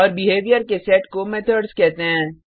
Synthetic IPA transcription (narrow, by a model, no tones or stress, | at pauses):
ɔːɾbɪɦeːʋijəɾkesɛːʈkomɛt̪ʰəɖzkɛɦt̪eɦɛ̃ː